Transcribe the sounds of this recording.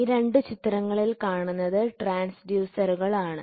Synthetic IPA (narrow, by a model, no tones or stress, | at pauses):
iɾe̞ɳɖɨt͡ɕit̪ːɾɐŋːɐɭilkaːɳunːɐðɨʈraːnsɖjuːsɐɾuɣɐɭaːɳɨ